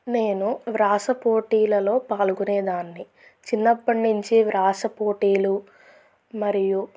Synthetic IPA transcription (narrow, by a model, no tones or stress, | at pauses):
ne̞ːnuʋɾaːsɐpo̞ːʈiːlɐlo̞ːpaːluɡuneːd̪aːnːi | t͡ʃinːɐpːɐʈniɲt͡ʃiʋɾaːsɐpo̞ːʈiːlu | mɐɾiju